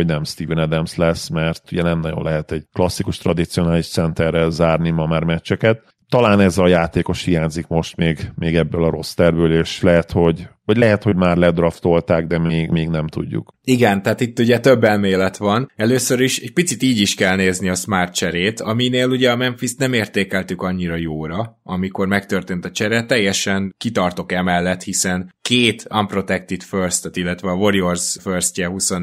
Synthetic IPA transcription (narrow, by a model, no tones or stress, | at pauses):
oɟnɛmst̪iːvnɛd̪ɛmslɛsmɛrt̪uɟɛnɛmnɒɟo̞̰nlʔɛɦɛt̪ɛɟ̥̚klɒsːikuʃt̪rɒd̪it̪sijo̞naːliʃt̪sɛnt̪ɛrːɛlzaːrnimɒmaːrmɛt͡ʃːɛkɛt̪ː | ɒlaːnɛzɒjaːt̪eːko̞ʃhiɦaːɲzikmo̞ʃt̪meːɡmeːɡɛbːøːlɒɾo̞st̪ɛrbøːleːʃlɛɦɛt̪ho̞ɟvɒɟlɛɦɛt̪ho̞ɟmaːrlɛd̪rɒft̪o̞lt̪aːɡd̪ɛmeːɡmeːɡnɛmt̪ṵɟːṵkiɡɛnt̪ɛɦaːt̪it̪ːuɟɛt̪ø̞bːɛlmeːlɛt̪ʋɒnɛløːsøɾiʃɛɟ̚pit̪sit̪iːɟiʃkɛlneːzniɒsmaːrt̪̚t͡ʃɛɾeːt̪ɒmineːluɟɛɒmɛnfist̪nɛmeːrt̪eːkɛlt̪ykɒɲːiɾɒjoːɾɒ | ɒmiko̞rmɛkt̪ø̞rt̪eːnt̪ɒt͡ʃɛɾɛt̪ːɛjːɛʃɛŋkit̪ɒrt̪o̞kɛmɛlːɛt̪hisɛnkeːt̪ɒmpro̞t̪ɛk̚t̪it̪først̪ɛt̪ilːɛt̪ʋɛɒvo̞ɾiorzførscɛɦuson